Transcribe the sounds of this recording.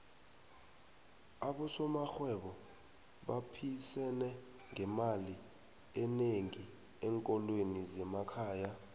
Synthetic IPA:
aɓɔsɔmaxwɛɓɔ | ɓapʰisɛnɛ | ŋɛmali | ɛneŋi | ɛŋkʼɔlwenizɛmakʰaːja

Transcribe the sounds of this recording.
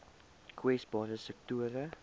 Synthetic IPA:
kʰwɛsbɔːɾəsɛk̚tuəɾə

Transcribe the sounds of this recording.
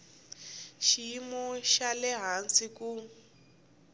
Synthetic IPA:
ʃimɔʃalɛɦansiku

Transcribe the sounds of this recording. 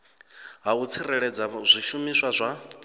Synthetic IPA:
ɦaut͡sʰiɾɛɺɛd͡zazʷiʃumiswazʷa

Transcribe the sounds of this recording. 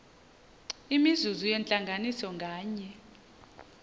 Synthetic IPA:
imizuzujɛnt͡ɬʼaŋɡʱanisɔŋɡʱaːɲɛ

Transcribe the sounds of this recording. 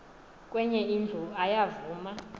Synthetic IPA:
k̬ʼwɛɲɛind͡ɮʱuajavuːma

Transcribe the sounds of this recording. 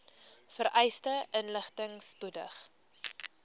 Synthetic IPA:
fəɾʔɛjstəʔənləχtəŋspudəχ

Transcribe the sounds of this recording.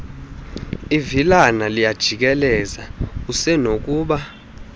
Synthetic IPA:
ivilanalijad̥ʒ̥ʱik̬ɛlɛzausɛnok̬ʼuːɓa

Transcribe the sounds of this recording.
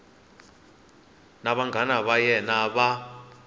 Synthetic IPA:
naɓaŋɡʱanaɓajɛnaɓa

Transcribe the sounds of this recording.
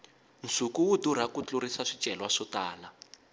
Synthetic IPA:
n̩sukuwuduɾ̤akut͡ɬurisaʂit͡ʃʼɛlwaʂɔtaːla

